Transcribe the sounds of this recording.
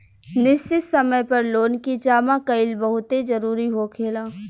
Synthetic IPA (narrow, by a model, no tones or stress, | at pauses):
nɪʃt͡ʃɪt̪sɐməjpɐɾloːnkid͡ʒaːmakɐɪlbɐɦʊt̪ed͡ʒɐɾuːɾiɦokʰeːlaː